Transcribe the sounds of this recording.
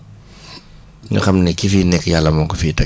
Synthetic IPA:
ɲṵxɐmnɛkifinɛkːjalːɐmɔŋkɔfiːtɐ

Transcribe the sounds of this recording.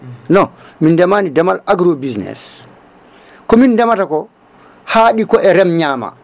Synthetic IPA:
nɔmindɛmaːnidɛmalaɡɾobisnɛ̰s | kɔmindɛmatakɔ | haɗikɔʔɛɾɛmɲaːma̰

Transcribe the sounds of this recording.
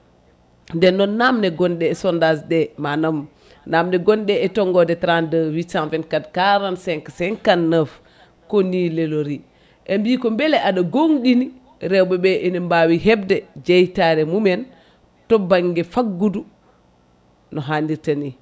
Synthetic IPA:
ndɛnːɔːamnɛɡɔnɗɛːsɔndasdɛmanam | namnɛɡɔnɗɛɛtɔŋɡɔdɛtɾandəwit͡ʃanvɛnkadkaɾansɛŋkasɛŋkanːəf | konileloɾi | ʔembiːkɔmbɛlɛʔaɗaɡoŋɗini | ɾɛwbɛbɛʔɛnɛmbawiɦɛb̚dɛd͡ʒejtaɾɛmumɛn | tɔbaŋɡɛfaɡɡudu | nɔɦandiɾtani

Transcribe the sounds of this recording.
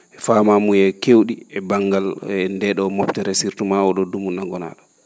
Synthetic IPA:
ʔɛfamamujɛkewɗiɛbaŋɡalɛndɛɗɔmɔptɛɾɛsiɾtumaɔɗɔdumunːaɡɔna̰ːɗɔ

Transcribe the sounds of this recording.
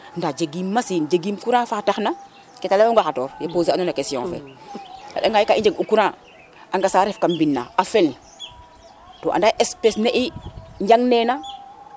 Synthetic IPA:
ndad͡ʒeɡimːasiːnd͡ʒeɡiːmkuɾãfaːtaxna | kɛtalamoŋɡaxatɔːɾjapoːzianonakesijɔ̰̃ŋfɛ̰la̰ɗaŋɡajikaʔĩɲd͡ʒeɡukuɾãː | ʔaŋɡasaːɾɛfkambinːa̰afɛl | to̰ʔa̰ndaʔespesneʔiɲd͡ʒɟaŋnena

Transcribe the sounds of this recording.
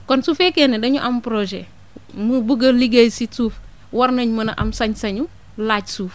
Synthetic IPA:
kɔnsufekenedɐɲuʔampɾoʒḛ | mubuɡɐliɡejsisuːf | waɾnɐɲmɐnɐʔa̰msɐɲsɐɲu | laːt͡ʃsuːf

